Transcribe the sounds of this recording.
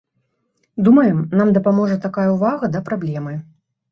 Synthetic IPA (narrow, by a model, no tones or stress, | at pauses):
d̪umɐjɛmnamd̪ɐpamɔʐɐt̪akajɐwvaɣɐd̪ɐpɾablʲɛmɨ